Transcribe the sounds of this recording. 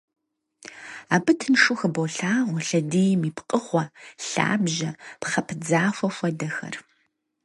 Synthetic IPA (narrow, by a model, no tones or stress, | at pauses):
aːbɨtʰɨnʂuxɐbowɬaːʁʷɔɬɐdiːjmiːpqʼəχʷɔɬa̰ːbʒɐpχɐpʰd͡zaːfʷɔfʷɐdɐxɐ̰r